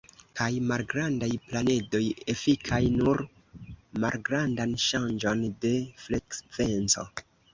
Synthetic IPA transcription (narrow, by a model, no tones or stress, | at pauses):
kajmalɡɾandajplane̞do̞je̞fikʰajnuɾ | ma̰lɡɾandanʃand͡ʒo̞nde̞flekve̞nt͡so̞̰